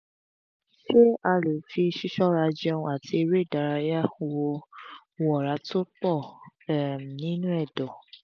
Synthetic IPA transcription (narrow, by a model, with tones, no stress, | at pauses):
ʃe˦a˧lo˨fi˧ʃi˦ʃɔ˦ɾa˧d͡ʒɔ˧ũ˧a˨ti˧e˧ɾe˦˨da˨˧ɾa˧ja˦wo˧ | wo˧ɔ˨ɾa˨˦to˦k͡pɔ˦˨˦ | m˨nĩ˨˦nũ˦ɛ˦˨dɔ˨